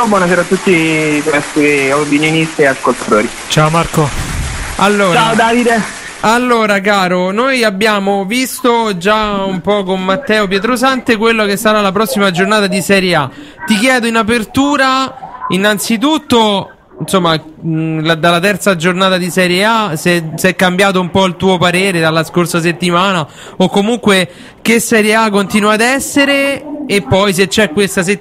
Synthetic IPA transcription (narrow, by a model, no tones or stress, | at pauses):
bwɔnaseːɾaːt̪ːut̪ːipɾɛst̪iopinjonist̪ieaskolt̪ḁt̪oːɾi | t͡ʃaomarko | alːoːɾt͡ʃaod̪aːvid̪e | alːoːɾakaːɾonojabːjaːmovist̪od͡ʒaumpɔkomːat̪ːɛːop̬jɛt̪ɾosant̪ekwelːokesːaɾalapɾɔsːimad͡ʒornaːt̪ad̪isɛɾjeat̪ikjɛːd̪oinap̬ert̪uːɾainːant̪sit̪ut̪ːo | insomːa | lad̪alːat̪ɛrt̪sad͡ʒornaːt̪ad̪isɛɾjeasesɛkːambjaːt̪̬oumpɔilt̪uːopaɾeːɾed̪alːaskorsas̬et̪ːimaːna | okːomuŋkwe | k̟esɛɾjeakːont̪inuaːd̪ɛsːeɾeːpːɔjs̬et͡ʃːɛkːwest̪as̬e